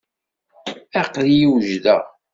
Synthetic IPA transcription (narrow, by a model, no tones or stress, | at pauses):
æqlijiwʒðæ̰